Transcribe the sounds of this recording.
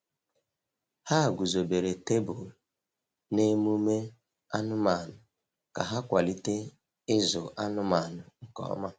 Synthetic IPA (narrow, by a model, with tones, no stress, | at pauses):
ha˦˨ɡʷu˨zo˨be˨ɾe˨te˦bʊ˨ | ne˦mu˦me˦ | a˦nʊ˦ma˨nʊ˨ | ka˨ɦa˦kʷa˨li˦te˦ | ɪ˦zʊ̰˨ʔa˦nʊ˦ma˨nʊ˨ŋ̩˨kɔ̰˦˨˦ma˦